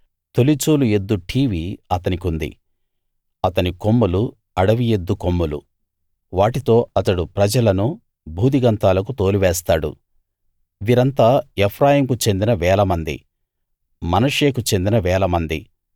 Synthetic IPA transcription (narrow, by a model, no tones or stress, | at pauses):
t̪o̞lit͡ʃuːlue̞d̪ːuʈʰiːʋiːɐt̪ɐnikund̪ḭ | ɐt̪ɐniko̞mːulu | ɐɽɐʋije̞d̪ːuko̞mːulṵ | ʋaːʈit̪o̞ːɐt̪ɐɽupɾɐd͡ʒɐlɐnu | bʱuːd̪iɡɐnt̪aːlɐkut̪o̞ːliʋɛːst̪aːɽṵ | ʋiːɾɐnt̪aːepʰɾaːjiːmkut͡ʃe̞nd̪inɐʋɛːlɐmɐnd̪ḭ | mɐnɐʂeːkut͡ʃend̪inɐʋɛːlɐmɐnd̪ḭ